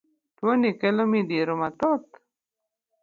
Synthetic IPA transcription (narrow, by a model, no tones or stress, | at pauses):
t̪wonikelomid̪iɾomat̪ot̪